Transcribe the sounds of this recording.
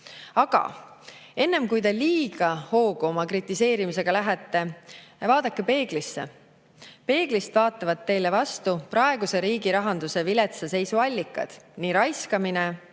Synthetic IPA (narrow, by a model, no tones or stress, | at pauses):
ɑɡ̥ɑ̰ | e̞nːe̞mkujt̪e̞liːɡ̥ɑho̞ːɡ̥uo̞mɑkrit̪ːˑise̞ːɾimise̞ɡ̥ɑlæɦet̪ˑːe̞vɑːd̪̥ɑkːe̞pe̞ːɡ̥lisːe̞̰ | pe̞ːɡ̥list̪vɑːt̪ːˑɑvɑd̪̚ːe̞jle̞vɑst̪upɾɑeɡ̥use̞ɾiːɡ̥iɾɑɦɑnd̪̥use̞vile̞t̪sese̞jsuɑlʲːikːˑɑ̰d̪̥niːɾɑjskɑmine